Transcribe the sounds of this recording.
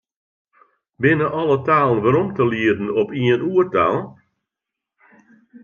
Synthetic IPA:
bɪnəʔɔlˠətaːlˠən̩ʋaɾɔmtəliədn̩ɔpiənuərta̰ːlˠ

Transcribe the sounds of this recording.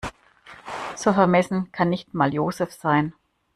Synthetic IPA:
z̥oːfɛɐmɛsn̩kʰanːɪçtmaːljoːzɛfz̥aɪn

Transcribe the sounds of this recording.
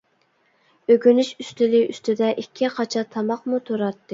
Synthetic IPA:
øɡʲynyʃyst̪ɪliʔyst̪ʰɪd̪ɛʔikʲʰːiqʰɑt͡ʃʰɑt̪ʰɑmɑqmut̪ʰoɾɑt̪ːɨ

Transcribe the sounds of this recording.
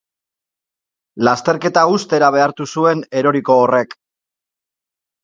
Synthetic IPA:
last̪e̞ɾke̞t̪aust̪e̞ɾaβ̞e̞aɾt̪usue̞ne̞ɾo̞ɾiko̞ːre̞k

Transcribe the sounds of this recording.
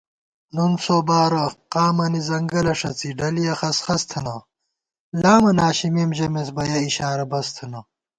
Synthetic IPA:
nunsoːbaːɾɐqaːmɐnizɐŋɡɐlɐʂɐt͡siɖɐlijɐxɐsxɐst̪ʰɐnɐ | laːmɐnaːɕimeːmʑɐmes̬bɐjɐiɕaːɾɐbɐst̪ʰɐnɐ

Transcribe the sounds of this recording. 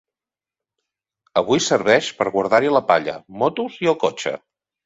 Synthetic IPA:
əβ̞ujsəɾβ̞ɛʃpəɾɣwəɾð̞aɾiələpa̰ʎə̰mɔt̪uziolˠkɔt͡ʃə̰

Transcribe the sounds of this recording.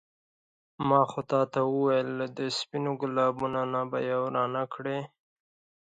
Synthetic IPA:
mɑxot̪ɑt̪awəwajld̪əspinoɡʊlɑbunanaba̰jawɾɑnakɽe

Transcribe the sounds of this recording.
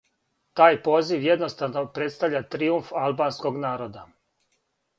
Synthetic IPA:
t̪aːjpo̞ːziʋjed̪nost̪anopɾe̞t̪st̪aʋʎʲat̪ɾiuɱfalˠbaːnsko̞ɡnaːɾo̞d̪a

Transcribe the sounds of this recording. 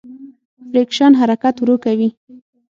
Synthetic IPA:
bɾekʃɑnɦaɾakat̪wɾokawi

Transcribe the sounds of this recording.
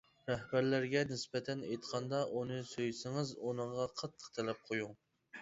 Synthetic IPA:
ɾɛhbæɾlæɾɡʲɛnɪsbɛt̪ʰɛnejt̪qʰɑnd̪ɑʔunɨsøjsɪŋɨzunɨɴʁɑqʰɑt̪ʰːə̥qt̪ʰɛlɛp̚qʰojuŋ

